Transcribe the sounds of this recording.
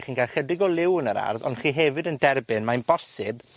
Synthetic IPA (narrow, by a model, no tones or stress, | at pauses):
χiːnkʰaχədɪɡɔlˠɪwnəɾa̰rðɔ̰nχiːɦɛvɨdəndɛrbɪnmajnb̥ɔsɪb